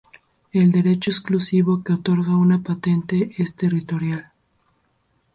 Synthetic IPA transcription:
e̞ld̪e̞ɾe̞t͡ʃoesklusiβo̞keot̪o̞ɾɣaunapat̪e̞nt̪e̞ʔest̪e̞rit̪o̞ɾjal

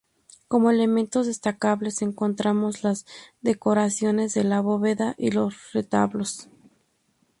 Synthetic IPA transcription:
ko̞moe̞le̞mẽ̞nt̪o̞zðe̞st̪akaβle̞se̞ŋko̞nt̪ɾamo̞zlazðe̞ko̞ɾasjo̞ne̞zðe̞laβo̞βeðaʔilo̞sret̪a̰βlo̞s

